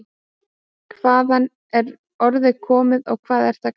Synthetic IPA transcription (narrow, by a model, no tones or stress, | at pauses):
kʰvaːðan | ɛɾ | ɔɾðɪkʰɔːmɪðɔɣkʰv̥aːðɛɾ̥θa